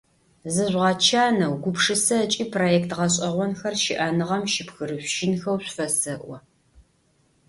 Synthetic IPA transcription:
zɨʑʷʁɑt͡ʃʰaːnɐwɡʷʊpʂɨsɐt͡ʃʼiːpʰroːjɛktʁɐɕ̬ʼɐʁʷɔnxɐrʃɪ̰ʔanɨʁɐmʃɪpxɨrɨɕʷʃɪnxɐwɕʷfɐsɐʔʷɔ

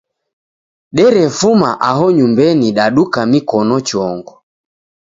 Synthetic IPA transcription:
ɗɛɾɛfumaʔaɦɔɲumbɛniɗaɗukamikɔnɔt͡ʃɔŋɡɔ

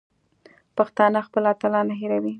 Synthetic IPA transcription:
paxt̪ɑnəxpəlat̪alɑnaɦiɾawi

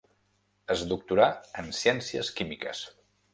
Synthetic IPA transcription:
əzd̪uk̚t̪uɾaənsiɛnsiə̰skimikə̰s

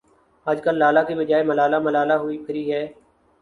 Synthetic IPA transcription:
əd͡ʒkəlːaːlaːkebəd͡ʒaːeməlaːlaːməlaːlaːɦʊiːpʰɪɾiːɦɛː

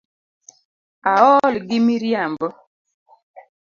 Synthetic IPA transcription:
aɔlɡɪmiɾjambɔ

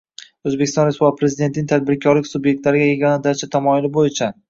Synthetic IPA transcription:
ɵzbekʲɪst̪ɒnɾespuv̚pʰɾe̞zɪd̪e̞nt̪ʰnɪŋʲt̪ʰad̪̚bɪɾkʲʰɒɾlɪkʲsubje̞k̚ʲt̪laɾɪɡʲajeɡʲɒnad̪at͡ʃʰat̪ʰamɒjɪlɪbojɪt͡ʃʰa

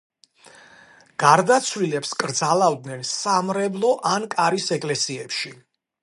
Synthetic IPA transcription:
ɡ̥aɾd̪at̪sʰlilɛpskʼɾd̪zalˠavd̪nɛnsamɾɛblˠɔʔankʼaɾisɛkʼlɛsiɛpʃi

